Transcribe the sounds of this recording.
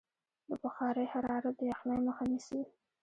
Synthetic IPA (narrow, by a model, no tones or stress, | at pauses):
d̪əbaxɑɾəjhaɾɑɾat̪̚d̪əjaxnɑjməxanisəwi